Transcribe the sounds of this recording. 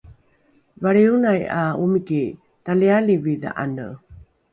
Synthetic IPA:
vaɭeunajaumiki | talialivid̪a̰ʔa̰nə̰

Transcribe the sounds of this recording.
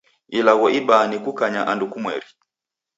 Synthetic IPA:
ilaɣɔʔiɓanikukaɲaʔandukumwɛ̰ɾi

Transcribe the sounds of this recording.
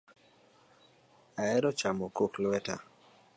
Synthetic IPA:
aɛɾɔt͡ʃamɔkoklwɛta̰

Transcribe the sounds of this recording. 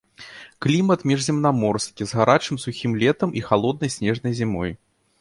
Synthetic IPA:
klʲimɐt̪mʲiʐzʲɛmnamɔrskʲizɣaɾat͡ʂɨmsuxʲimlʲɛt̪ɐmʔixalˠɔd̪̚nɐjsʲnʲɛʐnɐjzʲimɔj

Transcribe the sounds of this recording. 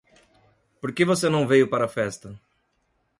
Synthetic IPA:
poɾkevosenɐ̃w̃vejʊpaɾɐfɛst̪ɐ

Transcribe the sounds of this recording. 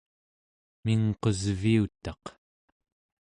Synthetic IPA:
miŋqozviut̪ɑq

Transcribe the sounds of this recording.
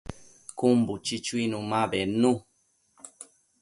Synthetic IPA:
kumbut͡ʃit͡ʃuinũmãbɛnũ

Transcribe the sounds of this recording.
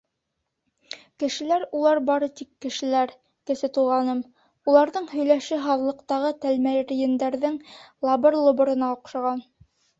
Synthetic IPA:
kɘ̆ʃɘ̆læɾulˠɑɾbɑɾɤt̪ikːɘ̆ʃɘ̆læɾ | kɘ̆sɘt̪ulˠʁɑnɤm | ulˠɑɾðɤɴɦɵ̆jlæʃɘɦɑðlˠɤ̆qt̪ɑʁɤt̪ælmæɾjɘ̆nd̪æɾðɘŋlˠɑbɤɾlˠŏbŏɾɤ̆nɑuqʃɑʁɑn

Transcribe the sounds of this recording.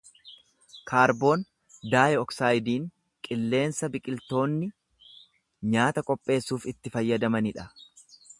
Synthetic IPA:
kʰaːɾbo̞ːn | d̪aːjɛɔksaːjd̪iːŋ | kʼɪlːe̞ːnsɐbɪkʼɪlt̪o̞ːnːɪ | ɲaːt̪ɐkʼɔpʼːe̞ːsːuːfɪt̪ːɪfɐjːɐd̪ɐmɐnɪᶑɐ

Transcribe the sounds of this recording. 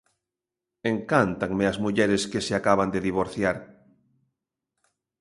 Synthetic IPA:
eŋkant̪aŋmeazmuʎeɾeskeseakaβ̞and̪eðiβ̞oɾθjaɾ

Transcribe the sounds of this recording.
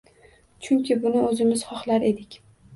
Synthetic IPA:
t͡ʃʰʊŋkʲʰɪbʊnɪɵzɪmɪz̥χɒχlˠaɾe̞d̪ɪkʲ

